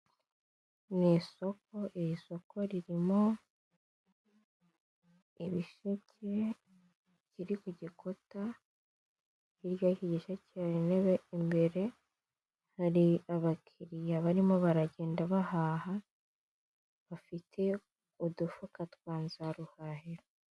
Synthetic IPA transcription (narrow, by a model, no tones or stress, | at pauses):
niso̞k̚o̞ʔiɾiso̞ko̞ɾiɾimo̞ | iβiʃecʰe | ciɾikuɟikʰo̞ta | iɾjaːhiɟiʃacaɾineβeimbe̞ɾe̞ | haɾiaβakʰiɾijaβaɾimoβaɾaɟe̞ːndaβahaha | βafitʰe̞ | udufukatwaːnzaɾuhahiɾo